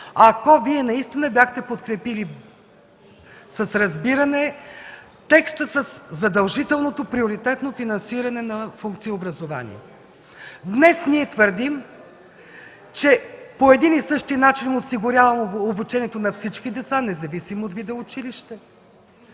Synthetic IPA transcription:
ɐkɔviɛnɐist̪inəbjaxt̪ɛpot̪kɾɛpili | səsɾɐzbiɾɐnɛ | t̪ɛkst̪əsəszɐd̪ɐlˠʒit̪ɛlˠnot̪opɾioɾit̪ɛt̪nofinɐnsiɾɐnɛnɐfuŋk̚t̪siiobɾɐzova̰nḭɛ̰ | d̪nɛsniɛt̪vəɾd̪im | t͡ʃɛpoɛd̪inisɤʃt̪inat͡ʃinosiɡʊɾʲjavɐmobut͡ʃɛniɛt̪onɐfsit͡ʃkid̪ɛt̪sanɛzɐvisimoot̪vid̪ɛʊt͡ʃiliʃt̪ɛ

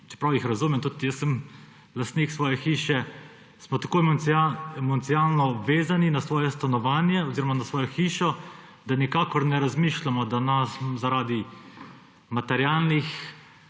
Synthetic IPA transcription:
t͡ʃɛ̥pɾawjixɾazuːmɛmt̪ut̪jəsːəm | last̪niksʋɔːjɛxiːʃɛ | smɔt̪ako | mɔnt̪siaːlnɔʋeːzaninasʋɔːjɛst̪anɔʋaːnjɛɔziːɾɔmanasʋɔːjɔxiːʃɔd̪anikaːkɔɾnɛɾazmiʃlamɔd̪anaszaɾaːd̪i | mat̪ɛɾjaːlnix

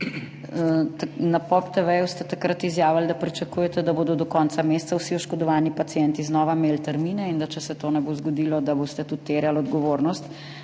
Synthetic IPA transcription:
napɔpt̪ɛʋɛjust̪ɛt̪akɾat̪izjaːʋald̪apɾit͡ʃɐkuːjɛt̪ɛd̪aboːd̪ɔd̪ɔkɔnt̪sameːst̪sawsiɔʃkɔd̪ɔʋaːnipat̪sjɛnt̪iznɔːʋameːlt̪ɛɾmiːnɛind̪at͡ʃɛsɛt̪oːnɛbozɡɔd̪iːlɔd̪aboːst̪ɛt̪ut̪ːeɾjalɔd̪ɡɔʋoːɾnɔst̪

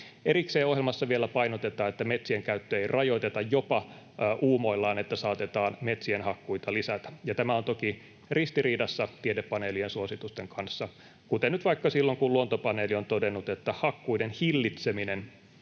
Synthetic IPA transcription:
eɾikseːohɦjelmɑsːɑʋielːæpɑinot̪et̪ɑːet̪ːæmet̪sieŋkæyt̪ːøeirʔɑjo̞jt̪et̪ɑjjopɑ | ʔuːmoilːɑːnet̪ːæsɑːt̪et̪ɑːnmet̪sienhɑkːuit̪ɑlisæt̪æ̥jɑt̪æmæo̞nt̪oki | rist̪iriːdɑsːɑt̪iedepːɑneːliensuosit̪ust̪eŋkɑnsːɑ | kut̪enyt̪ʋɑikːɑsilːoŋkulluont̪opɑneːlio̞nt̪odenːut̪et̪ːæhɑkːuidenhilːit̪seminen

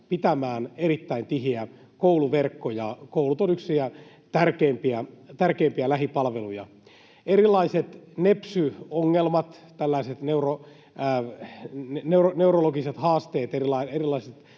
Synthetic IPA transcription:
pit̪æmæːnerit̪ːæint̪iɦiæ | kouluʋerkːojɑkoulut̪onyksiæ | t̪ærkeːmpiæt̪ærkeːmpiælæɦipɑlʋelujɑ̰ | eɾilːˑɑiset̪nepsyoŋːelmɑt̪ | t̪ælːæiset̪neuro | neuroneuroloɡiset̪hɑːst̪eːt̪erilɑierilːˑɑiset̪

